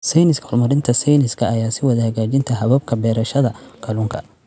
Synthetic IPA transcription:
sɛjnɪskhɔrmɐɾɪnt̪ʰɐsɛjnɪskʰɐːjaːsɪwɐðɐhɐɣaːt͡ʃɪnt̪ʰɐɦɐβɐb̚kʰɐbɛːɾɐʃɐðɐkʰɐluŋkʰɐ

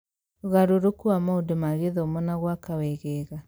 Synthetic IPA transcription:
ɣaɾoɾokuamaudemaɣeðɔomɔnaɣwakawɛɣɛɣa

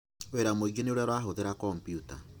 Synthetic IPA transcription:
weɾamoiɡeneoɾjaɾwaɦoðeɾakɔmpjuta̰

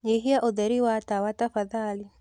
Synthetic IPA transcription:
iɦijaʔod̪ɛɾiwatawatafaðali

